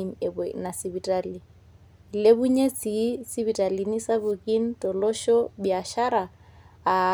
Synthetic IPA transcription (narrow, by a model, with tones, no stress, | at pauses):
i˨m̩e˨be˨na˨si˨bi˨tʼa˦li˨ | le˦bʊ˦ɲe˦t͡sʰʼi˨˦si˦bi˨tʼa˨li˨ni˦sa˦bʊ˨kʼi˦n̩˦tʼɔ˨lɔ˦ʃɔ˦bia˨ʃa˦ɾaː˨